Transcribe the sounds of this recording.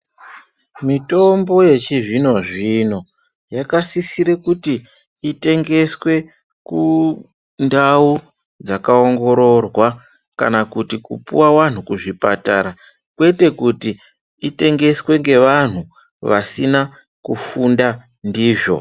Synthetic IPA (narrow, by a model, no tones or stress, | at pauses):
mito̞mbo̞je̞t͡ʃiʐino̞ʐino̞ | jakasisiɾekutiː | te̞ŋɡe̞swe̞ | ku | ndau | d͡zakaoŋɡo̞ɾo̞rwa | ka̰nakutikṵpṵwawan̤ukuʐipa̰ta̰ɾa | kwe̞te̞kuti | ite̞ŋɡe̞swe̞ŋɡe̞ʋan̤u | ʋa̰sina | kufunda | ndiːʐo̞̰